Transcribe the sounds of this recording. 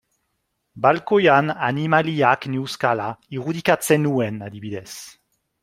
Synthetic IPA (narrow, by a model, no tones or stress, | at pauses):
balkojananimaliaknewskalaiʁud̪ikat͡senuɛnad̪iβid̪ɛs